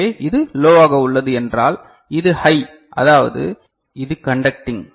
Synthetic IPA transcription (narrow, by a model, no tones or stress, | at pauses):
eːʔɪðɯloːʋaːɣɐʊɭːɐðɯɛndra̰ːl | ɪðɯhɐɪ | ʔɐ̰ðaːʋɐ̰ðɯ̰ | ɪðɯkɐɳɖɐk̚ʈɪŋ